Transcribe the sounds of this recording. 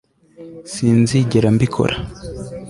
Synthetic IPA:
siːnziɟeɾambikʰo̞̰ɾʔa

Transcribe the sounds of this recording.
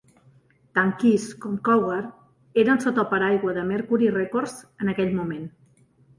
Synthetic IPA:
t̪aŋkiskɔmkɔwɣəɾ | eɾənsot̪ɔpəɾajɣwəðəməɾkuɾirekoɾzənəkɛʎmumen

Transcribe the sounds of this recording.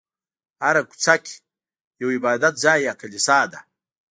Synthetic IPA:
aɾaku̥t͡sakʲ | jowibaːd̪at̪̚zaːjakalisaːd̪a

